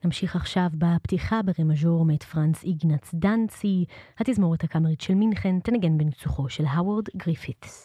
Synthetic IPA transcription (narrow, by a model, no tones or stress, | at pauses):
namʃiχaχʃavbaptiχabeʁemaʒoʁmet̪fʁant͡siɡnat͡sdant͡sihat̪izmo̞ʁethakameʁitʃelminχent̪enaɡe̞nbent͡suχo̞ʃe̞lɦawaʁdɡʁifit